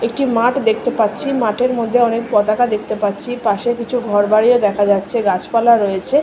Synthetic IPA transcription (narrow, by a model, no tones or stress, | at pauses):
ekʈimaʈd̪ekʰt̪epatːɕʰimaʈʰeɾmod̪ʱːeɔnekpɔt̪akad̪ek̚ʰt̪epatːɕʰipaʃekit͡ɕʰuɡʱɔɾbaɽied̪ɛkʰad͡ʑatːɕʰeɡat͡ɕpalaɾoet͡ɕʰe